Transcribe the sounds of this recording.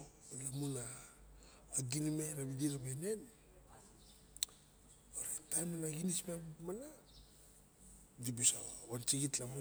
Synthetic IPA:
lamunaː | ɡinimaɾabidiɾamajnen | oɾetamanaɡinismamana | dibusawant͡ʃiɡitlamu

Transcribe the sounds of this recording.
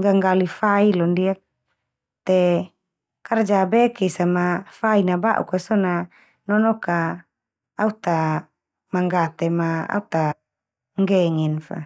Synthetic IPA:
ɡaŋɡalifailɔndiak̚ | t̪ɛ | kard͡ʒabɛkɛsamafainaba̰ʔṵkasɔna | nɔnɔkaː | ut̪a | maŋɡat̪emaa̰ut̪a | ŋɡɛŋɛnfa̰

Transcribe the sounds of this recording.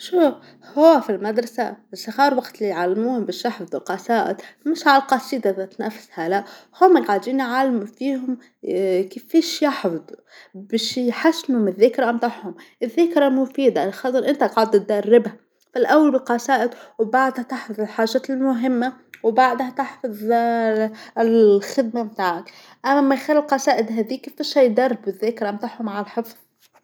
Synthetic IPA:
ʃuf | hʊwːafilmad̪ɾˤɑsa̰ɪsaxɑːɾˤwaɡt̪lijʕalːmuːhʊmbɪːʃjɑħfɑd̪ˤɪlqɑsaːʔɪ̰t̪mɪʃʕalalqɑsˤiːd̪ʔðat̪nafshalaʔhʊmːɪɡʕad͡ʒ̪iːnʕalmufiːhʊm | kifːiːʃjɑħfd̪ˤ | bɪʃjħasnʊmɪðːɪkɾˤaʔamt̪ˤɑħhʊmʔɪðːaːkɾˤamʊfiːd̪alxɑt̪ˤɨɾʔɪnt̪aʔkːʕʊd̪̚t̪ɪt̪̚d̪arːɪbha | falʔawːalbɪlqɑsaːʔɪd̪wbaʕd̪hat̪aħfɑðˤɪlħaːʒaːt̪ɪlmʊɦɪmːawbaʕd̪hat̪ɪħfɑðˤ | lxɪd̪̚mamt̪aːʕak | ʔamːmːajxalːɪlqɑsaːʔɪd̪ɦæːðiːkefiːʃhajd̪ɑrˤːbɪðːeːkɾaʔmt̪ˤaħhʊmʕalħɨfð̥ˤ

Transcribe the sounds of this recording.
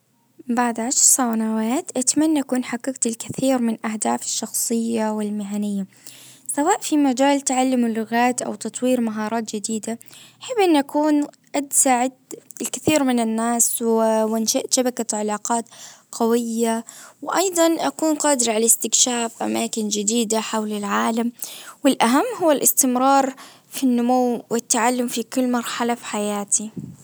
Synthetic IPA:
baʕd̪ʕaʃɾˤsˤawnawaːt̪ʔat̪manːaʔakuːnħaqːɪɡt̪ɪlkɪθiːɾmɪnʔahd̪aːfɪ̥ʃːɑxsˤɨjːawɪlmɪɦanɪjːa | sawaːʔfimad͡ʒaːlt̪ʕalːɪmɪlːʊɣaːt̪ʔa̰wt̪ɑt̪ˤwiːɾmaɦɑːɾˤɑːt̪̚d͡ʒɪd̪iːd̪aaħɪbːʔɪnːʔakuːn | ʔad̪saːʕɪd̪̚ɪlkɪθiːɾmɪnɪnːaːswwɪnʃaʔʃabakaʕalaːqɑːt̪qawɪjːawɪʔɑjd̪ˤɑnʔakuːnqɑːd̪ɪɾʕalast̪ɪkʃaːfʔamaːkɪnd͡ʒɪd̪iːd̪aħawlɪlʕaːlamwɪlʔaɦamːhʊwːalʔɪst̪ɪmɾˤɑːɾˤ | finːʊmuwwɪt̪ːaʕalːʊmfikʊlːmɑɾˤħalafi̥ħajaːt̪ʰi

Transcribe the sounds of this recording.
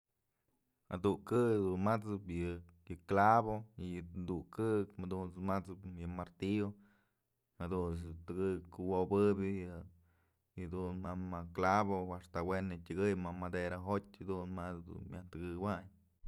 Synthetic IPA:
a̰d̪ukɨkd̪unmat͡sɨpjɨ | jɨklaβojjɨnd̪ukɨkmad̪unt͡smat͡sɨpjɨmaɾt̪io | had̪uns̬t̪ɨɡɨkuwobɨbʲɨjɨ | jɨd̪unmamaklaβoaʂt̪awenɨtʲɨɡɨjmamad̪eɾaɦotʲhad̪unmat͡sd̪ṵnmʲjaht̪ɨɡɨwaɲ

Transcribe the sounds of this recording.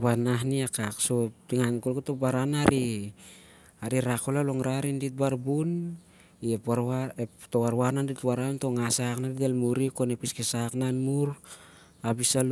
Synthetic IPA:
banaɦniakakso̞tiŋankolketobaɾanaɾi | aɾiɾakolaloŋɾaɾindit̚baɾbun | iepaɾaetowaɾwananditwaɾanto̞ŋasaknaditelmuɾiko̞nepiskesaknanmuɾ | abisal

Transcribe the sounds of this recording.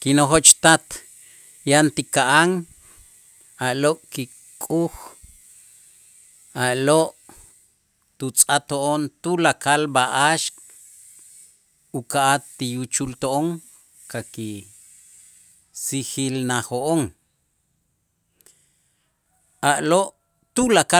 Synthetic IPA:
kinoxoʔt͡ʃt̪at̪ | jant̪ikaʔaŋ | aʔloʔʼki | kʼux | aʔloʔ | t̪ut͡sʼat̪oʔont̪ulakalbaʔaʃk | ukaʔat̪ːijut͡ʃult̪oʔoŋ | kaki | sixilnahoʔoŋ | aʔloʔ | t̪ulaka

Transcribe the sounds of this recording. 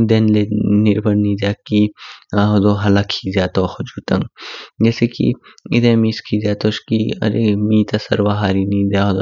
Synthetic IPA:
d̪enlenɪɾbʱɐnnid̪aːkiaɦod̪oɦɐlakʰizjaːt̪oxod͡ʒuːt̪ɐŋɡd͡ʒɛːsekḭ | ɪd̪emiskʰizaːt̪oʃkiɐ̰ɾḛmiːt̪ɐsɐ̰ɾʋaɦaːɾinĩd̪aɦod̪o

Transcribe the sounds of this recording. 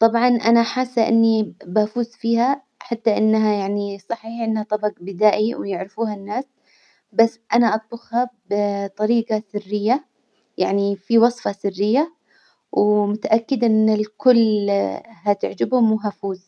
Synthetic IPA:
t̪ˤɑbʕɑnʔanaħaːsːaʔɪ̰nːibafuːzfiːha | ħat̪ːaʔɪnːɦajaʕnisˤɑħiːħʔɪnːhat̪ˤɑbɑqbɪd̪aːʔiwjɪʕɾɪfuːhanːaːs | basːʔanaʔɑt̪̚ˤbʊxhabɪt̪ˤɑɾiːɡɑsɪrːɪjːa | jaʕnifiwɑsˤfɑsɪrːɪjːa | wmʊt̪aʔakːɪd̪ʔɪnːɪlkʊlː | ɦat̪ɪʕd͡ʒɪbhʊmwɦafuːz

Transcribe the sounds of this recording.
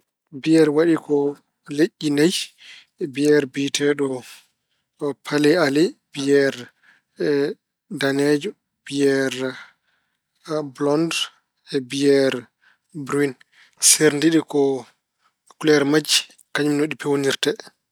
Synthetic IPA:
bijɛɾwaɗikɔ | leʔːinaj | bijɛɾbitʰɛɗɔ | pʰalɛalib̥iɛɾ | danɛd͡ʒɔ | b̥ijɛɾ | blɔnd | ɛbijɛɾ | bɾin | seɾndiɗikɔ | kulɛɾmad͡ʒi | kaɲumnoɗipɛwoniɾtɛ

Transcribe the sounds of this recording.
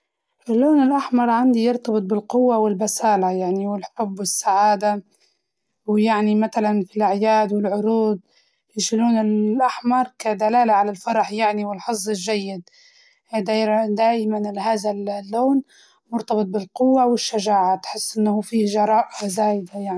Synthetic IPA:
ʔɪlːoːnɪlʔaħmɑɾˤʕand̪ijɪɾt̪ɑbɨt̪̚ˤbɪlqʊwːawɪlbasaːlajaʕniwɪlħʊbwɪsːaʕaːd̪a | wjaʕnimaθalanfilʔaʕjaːd̪wɪlʕʊɾuːd̪̚ | jɪʃiluːnɪlʔaħmɑɾˤkad̪alaːlaʕalalfɑɾˤɑħjaʕniwɪlħɑsˤːɪlʒajːɪd̪ | d̪ad̪aːʔɪmanlɦaːðallːoːn | mʊɾt̪ɑbɨt̪̚ˤbɪlqʊwːawɪʃːaʒaːʕat̪ħɪsːʔɪnːhuːfiːʒɑɾˤɑːʔazaːjɪd̪ajaʕni

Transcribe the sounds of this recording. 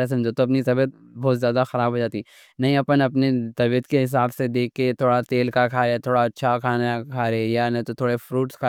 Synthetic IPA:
es̬ɐ̃md͡ʒot̪oɐpnisɐbət̪̚ | bɔːt̪zjaːd̪axɐɾaːbʱɦod͡ʒaːt̪i | nɐɦĩɐpənɐpnet̪ɐbiət̪keɦɪs̬aːbsed̪eːkːet̪ʰoːɽat̪eːlkakʰaːɾet̪ʰoːɽaɐtːʃʰakʰaːnakʰaːɾejanɐ̃t̪ot̪ʰoːɽefɾuːʈskʰa

